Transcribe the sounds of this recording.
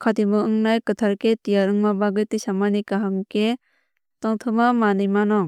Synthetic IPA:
kʰatimɯɯŋnajkɯtʰaɾketijaɾɯŋmabaɡɯtisamanikaɦɯŋke | tɔŋtʰɯmamanɯjmanɔŋ

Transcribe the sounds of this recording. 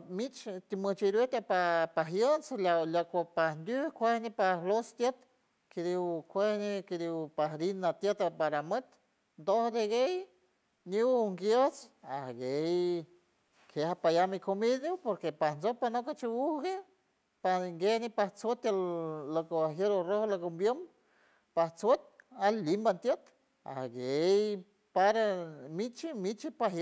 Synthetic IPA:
mit͡ʃt̪imɨt͡ʃiɾet̪apapaɦjənt͡slalakʷapahnd̪ʲukʷehnepahlost̪jet̪ | ked̪iwkʷehneked̪iwpaɦɾinːat̪jet̪apaɾamət̪ | nd̪ohd̪eɡej | nuwŋɡjət͡sahɡej | kʰehapajamikomidopoɾkepahnd͡zopanokat͡ʃiwuhɡe | paŋɡenipaht͡swot̪ːelːokoaɦjeɾorohlokombjom | paht͡swot̪̚alimbant̪jet̪ | a̰hɡej | paɾamit͡ʃimit͡ʃipaɦ

